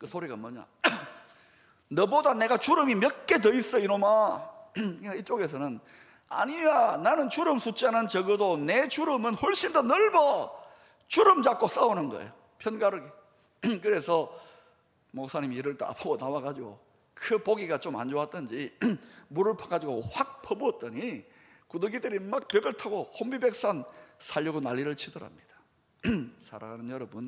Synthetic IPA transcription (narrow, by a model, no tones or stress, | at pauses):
kɯsʰoɾiɡamʌɲa̰ | nʌbodane̞ɡat͡ɕuɾɯmimjʌt̚k͈e̞t̬ʌis͈ʌiɾoma | ɯait͡ɕ͈oɡe̞sʰʌnɯn | a̰ɲijananɯnt͡ɕuɾɯmsʰut͡ɕ͈anɯnt͡ɕʌɡɯdone̞t͡ɕuɾɯmɯnɸoɭɕ͈indʌnʌɭbʌ | t͡ɕuɾɯmd͡ʑak̚k͈os͈aonɯnɡʌḛjo | pʰjʌnɡaɾɯɡe | kɯɾe̞sʰʌ | mok̚sʰaɲimiɾɯɭta̰pʰaɡonawaɡad͡ʑiɡo̰ | kʰɯpoɡiɡat͡ɕoma̰nd͡ʑoat̚td͈ɯnd͡ʑimuɾɯɭpʰaɡad͡ʑiɡoɸwak̚pʰʌbuʌt̚t͈ʌɲi | kudɯɡideɾimak̚pjeɡɯɭtʰaɡohombibe̞k̚s͈ansʰaʎːʌɡonaʎːiɾɯɭt͡ɕʰidʌɾa̰mɲid̥ḁ | sʰaɾa̰ɡanɯnjʌɾʌbɯn